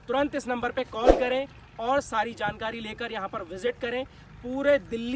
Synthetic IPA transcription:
t̪ʊɾə̃nt̪ɪsnɐ̃mbəɾpekɔːlkɐɾẽː | ɔːɾsaːɾid͡ʒaːnkaːɾileːkəɾjɐɦãpɐɾʋɪzɪʈ̚kɐɾẽː | puːɾed̪ɪlː

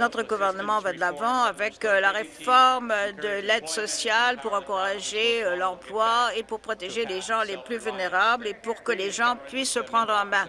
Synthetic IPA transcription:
nɔt̪χəɡuvɛʁnəmɑ̃vad̪əlavɑ̃avɛklaʁefɔʁmd̪əlɛd̪sɔsjalpuʁɑ̃kuʁaʒelɔ̃ʁplwaepuʁpχɔt̪eʒeleʒɑ̃leplyvylneʁablepuʁkəleʒɑ̃pɥisːəpχɑ̃d̪ʁmɛ̃

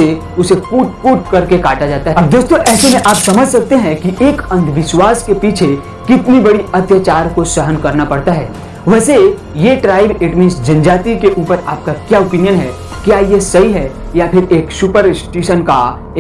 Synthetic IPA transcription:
e | ʊsekuːʈ̚kuːʈkɐɾkekaːʈad͡ʒaːt̪aɦɛɐbd̪oːst̪oʔɛːsemẽʔaːpsɐməd͡ʒʱsɐk̚t̪eɦɛ̃kiʔeːkɐ̃nd̪ʰʋɪʃwaːskepiːt͡ʃʰe | kɪt̪nibɐɽiɐt̪jət͡ʃaːɾkosəɦənkɐɾnapɐɽt̪aɦɛ̰ː | ʋɛːse | jeʈɾaːɪbɪʈmɪ̃ːnsd͡ʒɐ̃nd͡ʒaːt̪ikeʔuːpəɾaːp̚kakjaːopinijənɦɛ | kjaːjesɐɦiɦɛ | japʰɪɾeːksʊpəɾɪsʈeːʃənka

